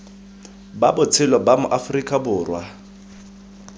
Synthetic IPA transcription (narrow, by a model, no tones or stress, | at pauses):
ba̰bʊt͡sʰɪlɔbamʊʔafrikʼabʊːrwa